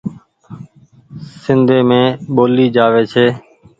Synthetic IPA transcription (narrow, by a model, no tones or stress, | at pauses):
sɪnd̪ʱeːmẽːɓoːliːd͡ʒaːʋeːt͡ʃʰeː